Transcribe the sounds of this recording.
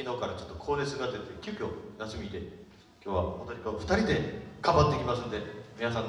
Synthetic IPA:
ino̞kaɾat͡ɕo̞̥t̪ːokʰo̞ːɾesɨɡat̪et̪ekʲoːkʲo̞naɕimʲit̪e | kʲo̞ːβa̰ot̪oɲʲikaɸɯ̟̥aɾʲid̪e̞ɡ̥ãmbat̪ːe̞kʲimasɨ̃nd̪e̞mʲinas̬ãn

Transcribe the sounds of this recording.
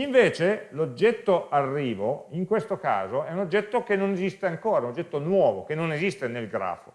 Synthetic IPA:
iɱveːt͡ʃelod͡ʒːɛt̪ːoʔarːiːvoiŋkwest̪oka̰ːzoɛunod͡ʒːɛt̪ːokenːonezist̪eaŋkoːɾaunod͡ʒːɛt̪ːonwɔːvokenːonezist̪enelɡɾa̰ːfo

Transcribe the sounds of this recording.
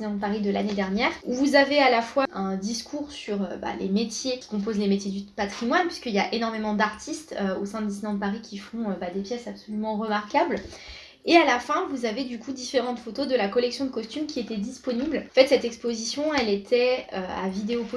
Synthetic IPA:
nɑ̃d̪əpaʁid̪əla̰ned̪ɛʁnjɛʁuvuzavealafwaɛ̃d̪iskʰuʁsyʁø̰ba̰lḛmet̪jekʲi̥kɔ̃p̬ozlemet̪jed̪ypat̪χimwanpɥiskəiljaʔenɔʁmemɑ̃d̪aʁt̪ʰist̪øosɛ̃d̪d̪isinɑ̃d̪əpaʁikʲifɔ̃øbad̪epjɛsapsolymɑ̃ʁəmaʁkabl | ealafɛ̃vuzaved̪ykud̪ifeʁɑ̃t̪fot̪od̪əlakɔlɛksjɔ̃d̪əkɔst̪ymkʲiet̪ɛd̪ispɔniblɑ̃fɛt̪sɛt̪ɛkspozisjɔ̃ɛlet̪ʰɛøa̰vid̪eop

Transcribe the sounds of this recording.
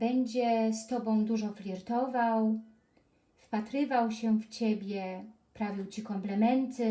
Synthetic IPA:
bɛɲd͡ʑɛst̪ɔbɔ̃w̃d̪uʐɔflʲiɾt̪ɔvaw | fpat̪ɾɘvawɕɛft͡ɕebʲjɛ | pɾavʲiwt͡ɕikɔmplɛmɛnt̪ɘ

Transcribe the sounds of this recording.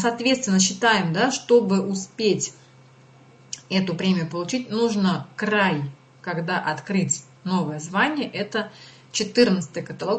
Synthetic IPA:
sɐːt̪vʲet̪st̪vʲɪnːəɕːɪt̪ajɪmd̪aʂt̪o̞bɨʔʊspʲetʲ | ɛt̪ʊpɾʲemʲɪjʊpəlˠʊt͡ɕitʲnuʐnəkraj | kɐɡd̪aʔɐt̪kɾɨtʲ | no̞vəjəzvanʲɪjəʔɛt̪ə | t͡ɕɪt̪ɨrnət̪sɨ̥t̪ɨjəkət̪ɐlˠo

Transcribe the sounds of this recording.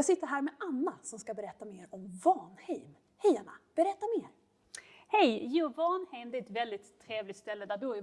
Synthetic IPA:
jɑːɡsɪt̪ːəɾɦæːɾmɛanːasɔmskabɛɾɛt̪ːameːɾɔmvɑːnhɛjm | hɛjanːa̰b̥ɛɾɛt̪ːameːɾ | hɛjjuvɑːnhɛjmd̪ɛɛt̪vɛld̪ɪt̪ʰːɾeːvlɪkt̪st̪ɛlːəd̪æbuː

